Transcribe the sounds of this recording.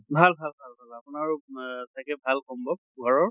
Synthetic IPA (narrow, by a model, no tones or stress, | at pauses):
bʱalbʱalbʱalbʱalapʊnaɹtajkɛbʱalkɔmbɔ | uaɹɔɹ